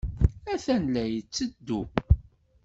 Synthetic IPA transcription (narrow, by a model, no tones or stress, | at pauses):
æθænlæjət͡sːəd̪ːu